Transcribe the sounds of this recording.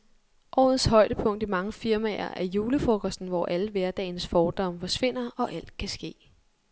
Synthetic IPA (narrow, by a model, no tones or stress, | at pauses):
ʔɒ̰ːð̩ˠshɒ̽ɪ̰d̥əpʰɔ̽ŋ̰d̥imɑ̈ŋəfiɐmɛ̰ɐ̰ʔæɐjuːləfokʰɒsd̥n̩ʋɒ̰ːʔæləʋæɐd̥ɛ̰ːɪnsfɒːd̥ɒ̽m̰fɒ̽sʋe̝n̰ɐɒ̽ʔæl̰d̥̚kʰæsɡ̥e̝̰ː